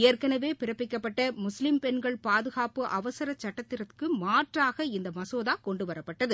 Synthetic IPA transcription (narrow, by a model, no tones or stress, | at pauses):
eːrkɐnɐʋeːpɪɾɐpːɪkːɐpːɐʈːɐmʊslɪmpɛnɡɐɭpaːðɯɣaːpɯʔɐʋɐsɐɾɐt͡ʃːɐʈːɐt̪ːɪɾɐt̪kɯmaːʈraːɣɐɪnd̪ɐmɐsoːðaːkɔɳɖɯʋɐɾɐpːɐʈːɐðɯ